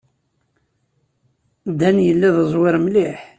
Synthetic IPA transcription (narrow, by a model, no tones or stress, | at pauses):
d̪ænjəlːiðəzˤwɪɾmlɪħ